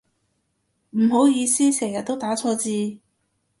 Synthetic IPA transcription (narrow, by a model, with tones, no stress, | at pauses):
m̩˨˩ɦo˨˥wjiː˨˧siː˥sɛː˨˩ŋjɐ˨t̪̚ːo˥wt̪aː˨˥t͡sʰɔː˧t͡siː˧